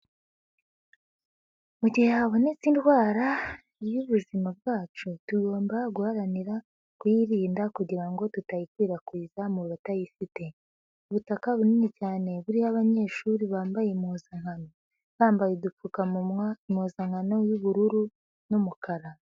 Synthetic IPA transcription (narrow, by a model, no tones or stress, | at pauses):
muɟiheaβo̞ne̞t͡sintɡwaːɾa | ijuβuzimab̚ɡaːt͡ʃutuɡo̞ːmbaɡuhaɾaniɾa | kujiɾiːndakuɟiɾaŋɡo̞tutajikwiːɾakwiːzamuβatajifite̞ | uβutakaβuninicaːne̞βuɾihaβaɲe̞ːʃuɾiβaːmbajemuzaŋano | βaːmbajedufukamuːzaŋ̥ano̞juβuɾuɾu | numukaɾa